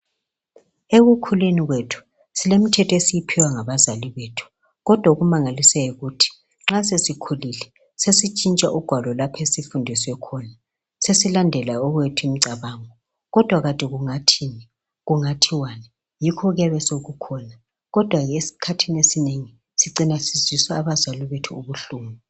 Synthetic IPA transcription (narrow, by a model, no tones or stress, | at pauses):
eɣukʰuleniɣwetʰu̥ | silem̩tʰɛtʰɔesijipʰiwaŋaβazaliβetʰu̥ | ɣɔd̥ʱwauɣumaŋalisɛiɣutʰi̥ | ŋ͡ǁasesikʰulilɛ | sesit͡ʃʼint͡ʃʼaʔuɡ̥ʱwalɔlapʰesifundʱisɛkʰɔna | sesilandʱɛlaɔɣwetʰuim̩ǀaβaːŋɔ | ɣɔd̥ʱwaɣatʼiɣuŋatʰini | ɣuŋatʰiwana | jikʰɔɣɛβɛsoɣukʰɔna | ɣɔd̥ʱwaɣesi̥kʰatʰinesineŋi | siǀinasiz̥iswaːβazaliβetʰuuβuɬuːmu